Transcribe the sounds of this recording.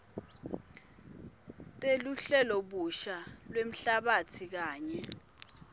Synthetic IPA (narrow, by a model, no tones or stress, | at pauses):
tʼeluɬɛlɔɓuʃalwem̩ɬaɓatʰik̬aːɲɛ